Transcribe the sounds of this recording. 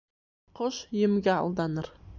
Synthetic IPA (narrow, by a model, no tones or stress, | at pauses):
qʰoʃjɪmɡʲaɑ̰lˠd̪ɑnɪɾ